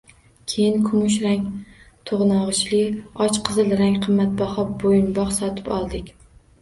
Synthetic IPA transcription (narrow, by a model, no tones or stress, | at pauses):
kʲʰejɪnkʰʊmʊʃɾaŋ | t̪ʰoʁnɒʁɨʃlɪɒt͡ʃqʰɨzɪlɾaŋqʰɨmːat̪̚bɒhɒbojɪnbɒqsɒt̪ʰɪ̥pɒ̰lˠd̪ɪkʲ